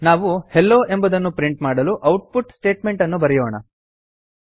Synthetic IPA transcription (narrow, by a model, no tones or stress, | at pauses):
naːʋuhelːo̞ːʔe̞mbɐd̪ɐnːupɾiɳʈmaːɽɐluʔɐwʈ̚puʈsʈe̞ːʈme̞ɳʈɐnːubɐɾɛjoːɳɐ̰